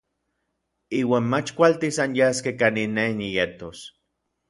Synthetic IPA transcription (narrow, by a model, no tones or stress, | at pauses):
iːwaːnmat͡ʃkʷalt̪isanjaskekaninenijet̪os